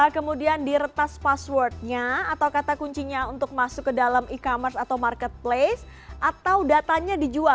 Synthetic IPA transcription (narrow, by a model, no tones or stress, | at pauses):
akəmudiandiɾət̪aspaswɔrt̪̚ɲaːt̪awkat̪akuɲt͡ʃiɲaunt̪ʊk̚masʊkːədalamikamərsat̪awmarkɛt̪̚ples | ʔat̪awdat̪aɲadid͡ʒua